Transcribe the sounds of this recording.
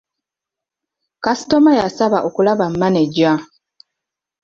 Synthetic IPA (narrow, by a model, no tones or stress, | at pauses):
kasi̥tomajasaβaʔokulaβam̩maneɟa